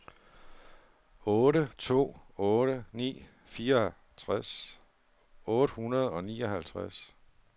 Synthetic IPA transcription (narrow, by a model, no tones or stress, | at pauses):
ɔːɾət͡sʰo̝̰ːɔ̽ːɾənḭː | fiːɐɒ | t͡sʰʁas | ɔ̽ːɾ̥əhunɐð̞̩ˠɒ̽nḭːɒ̽ɦælt͡sʰʁas